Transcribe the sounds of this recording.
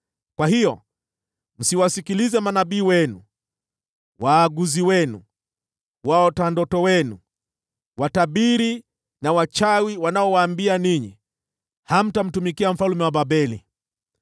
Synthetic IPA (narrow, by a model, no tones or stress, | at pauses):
kwahijɔ̰ | n̩siwasikilizɛmanaɓiːwɛnu | waːɡuziwɛnṵ | waɔtandɔtɔwɛnu | wataɓiɾi | nawat͡ʃawiwanaɔwaːmbianiɲḭ | ham̩tam̩tumikiam̩falumɛwaɓabɛlḭ